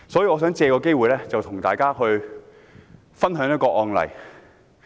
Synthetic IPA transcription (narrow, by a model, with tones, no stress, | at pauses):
sɔː˨˥jiː˧ŋɔː˨˧s̬œː˨˥ŋt͡sɛː˧kɔː˧ke˥jwuː˨jlɛː˥t͡sɐ˨wt̪ʰʊ˨˩ŋt̪aː˨jkaː˥hɵ˧ɥ | fɐ˥nɦœː˨˥ŋjɐ˥t̚kɔː˧ʔɔː˧ŋlɐ̰˨˩j